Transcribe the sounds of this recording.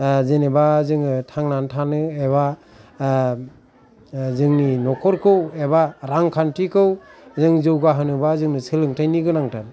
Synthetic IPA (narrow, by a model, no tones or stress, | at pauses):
zenebazɯŋɯtʰaŋnantʰanɯeβa | zɯŋninɔkʰɔɾkʰɯwebaɾaŋkʰantʰikʰɯwzɯŋzɯwɡaɦɯnɯbazɯŋnɯsɯlɯŋtʰajniɡɯnaŋtʰan